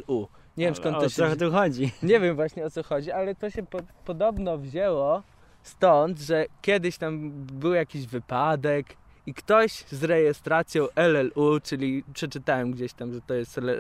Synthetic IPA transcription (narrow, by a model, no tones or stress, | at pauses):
u | ɲevʲjɛmskɔnːɔt̪uxɔd͡ʑiɲevʲjɛmvwaɕɲɛɔt̪sɔxɔd͡ʑialɛt̪ɔɕɛpɔpɔd̪ɔbnɔvʑɛwɔ | st̪ɔnd̪ʐɛkʲɛd̪ɘɕt̪ambɘwjakʲiʑvɘpad̪ɛk | ikt̪ɔɕzɾɛjɛst̪ɾat̪sʲjɔ̃wʔɛlɛlut͡ʂɘlʲipʂɛt͡ʂɘt̪awɛmɡd͡ʑeɕt̪amʐɛt̪ɔjɛst̪ɛlɛ